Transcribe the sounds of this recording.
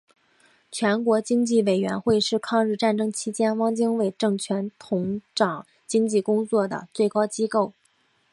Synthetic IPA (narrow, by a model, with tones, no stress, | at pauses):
t͡ɕʰɥɛ˧˥nkwɔ˧˥t͡ɕi˥ŋt͡ɕi˥˩we˨˩ɪɥɛ̰˧˥nxwe˥˧ɪʂɻ̩˥˧kʰɑ˥˧ŋɻ̩˥˧ʈ͡ʂa˥˩nʈ͡ʂɤ˥ŋt͡ɕʰi˥t͡ɕjɛ˥nwɑ˥ŋt͡ɕi˥ŋwe˥˩ɪʈ͡ʂɤ˥˩ŋt͡ɕʰɥɛ˧˥nt̪ʰʊ˧˥ŋʈ͡ʂɑ˨˩˦ŋ | t͡ɕi˥ŋt͡ɕi˥˩kʊ˥ŋt͡swɔ˥˩d̪ə̰˩t͡swe˥˩ɪkɑ˥ʊt͡ɕi˥ko˥˩ʊ